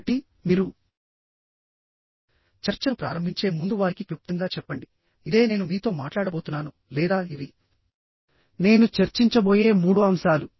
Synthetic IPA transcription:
ʈi | miːɾu | t͡ʃɐɾt͡ʃɐnupɾa̰ːɾɐmbʱiɲt͡ʃe̞ːmund̪uʋaːɾikikup̚t̪uŋɡaːt͡ʃɛpːɐɳɖi | id̪e̞ːne̞ːnumiːt̪o̞ːmaːʈlaːɽɐbo̞ːt̪unːaːnu | lɛːd̪aːiʋi | ne̞ːnut͡ʃeɾt͡ʃiɲt͡ʃɐboːje̞ːmuːɽuɐmsaːlu

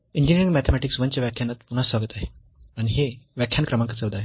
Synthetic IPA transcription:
iɲd͡ʑiniɾiŋmæt̪ʰemɛʈiksʋənt͡ɕjaʋjakʰːjanːat̪pun̤asʋaɡət̪aɦe | aɽ̃iɦeʋjakʰːjankɾəmaŋkat͡səʋd̪aɦe

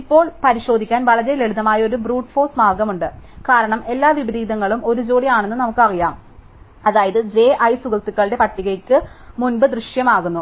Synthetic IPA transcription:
ipːo̞ːɭpɐɾiɕo̞ːd̪ʱikʲːaːnʋɐɭɐɾele̞ɭuðɐmaːjɐo̞ɾubɾuːʈfo̞ːsmaːrɡɐmuɳɖɨkaːɾɐɳɐme̞lːaːʋibɐd̪iːd̪ɐŋːɐɭumo̞ɾud͡ʑo̞ːɽijaːɳenːɨnɐmukːɨɐɣɐjaːm | ɐðaːjɐðɨd͡ʑe̞ːʔɐjsuɣɐlt̪ːukːɐɭɽe̞pɐʈːiɣɐkːɨmunbɨd̪rɨʂjɐmaːɣunːu

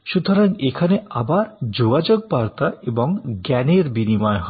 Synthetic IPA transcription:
ʃut̪ʰɔɾaŋekʰaneabaɾd͡ʑoɡad͡ʑoɡ̚baɾt̪aebɔŋɡɛneɾbinimɔeɦɔ

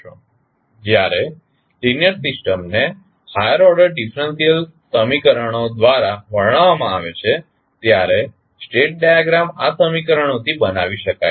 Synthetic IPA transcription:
d͡ʒjaɾe | linjəɾsɪsʈəmne | hajəɾɔɾɖəɾɖifʰɾənsijəl | səmikəɾəɽ̃od̪ʋaɾaʋəɽ̃aʋamãaʋet͡ʃʰe | t̪jaɾe | sʈeʈ̚ɖajaɡɾamasəmikəɾəɽ̃ot̪ʰibəna̰ʋiʃəka̰j

